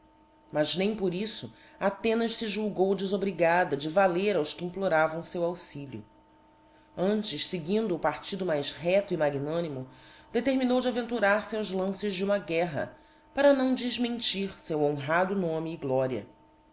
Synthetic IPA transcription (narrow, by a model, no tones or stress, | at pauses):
mɐznẽj̃poɾisʊ | at̪ẽnɐʃsɪʒuwɡowd͡ʒɪzobɾiɡad̪ɐd͡ʒɪvaleɾawʃkɪĩmploɾavɐ̃w̃sewawsiʎʊ̰ | ɐ̃nt͡ʃɪʃsɪɡĩnd̪ʊːpaɾt͡ʃid̪ʊmajʃɦɛt̪ʊimaɡinõnimʊd̪̥et̪eɾminowd͡ʒɪavẽnt̪uɾaɾsɪawzlɐ̃sɪʒd͡ʒɪũmɐɡɛɦɐ̰ | paɾɐnɐ̃w̃d͡ʒizmẽnt͡ʃiɾsewõɦad̪ʊnõmɪːɡlɔɾiɐ̰